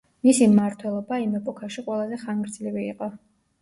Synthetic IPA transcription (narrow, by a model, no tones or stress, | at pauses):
misimaɾt̪ʰwɛlˠɔbaimɛpʼɔkʰaʃiqʼwɛlˠazɛχaŋɡɾd̪zliviːqʼɔ